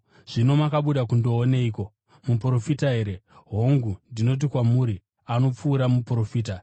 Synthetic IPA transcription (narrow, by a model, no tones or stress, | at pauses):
ʐ̥ino̞makaɓuɗakundo̞ːne̞iːko̞ | mupro̞fitaɦe̞ːɾe̞ɦo̞ŋɡundino̞t̬ikwamuɾi | ano̞p͡fuːɾamupuro̞fiːta